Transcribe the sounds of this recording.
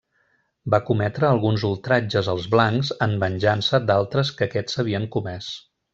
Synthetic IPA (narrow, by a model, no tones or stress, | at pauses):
bakumɛt̪ɾəːlˠɣunzulˠt̪ɾad͡ʒəzəlˠzβlaŋkzəmbənʲʒansəd̪alˠt̪ɾəskəkɛsəβiəŋkumɛs